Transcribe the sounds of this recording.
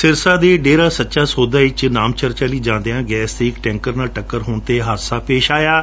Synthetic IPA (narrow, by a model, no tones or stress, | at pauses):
sɪɾsaːd̪eːɖeːɾaːsətːʃaːsoːd̪aːɪt͡ʃnaːmt͡ʃəɾt͡ʃaːliːd͡ʒãːnd̪eːãːɡɛːst̪eːɪkʈɛ̃ːŋkəɾnaːʈəkːəɾɦoːnt̪eːɦaːd̪saːpeːʃaːjaː